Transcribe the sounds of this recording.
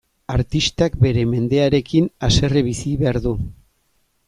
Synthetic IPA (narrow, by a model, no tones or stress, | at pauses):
aɾt̪ist̪ak̚be̞ɾe̞me̞nd̪e̞aɾe̞kinase̞reβ̞isiβe̞aɾðu